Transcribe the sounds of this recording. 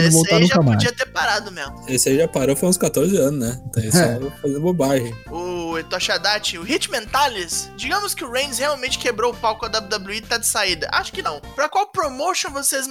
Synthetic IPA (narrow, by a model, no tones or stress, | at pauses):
nvotaanũʒakɐmad͡ʒiɐt̪eɾpaɾad̪ʊmezmʊesɪaiʒapaɾowfojũskat̪oɾzɪɐ̃nʊznɛ̃t̪ɐ̃isfazẽobajhʊʊet̪ɔʃad̪at͡ʃɪʊhit͡ʃɪmẽnt̪alisd͡ʒiɡɐ̃mʊskɪʊɾẽj̃nzheawmẽnt͡ʃɪ̥kebɾoʊpawkʊɐd̪ablʲʊd̪ablʲuit̪ad͡ʒɪsaid̪ɐʔa̰ʃʊ̥kɪnɐ̃w̃pɾɐkwawpɾomoʃõw̃vosez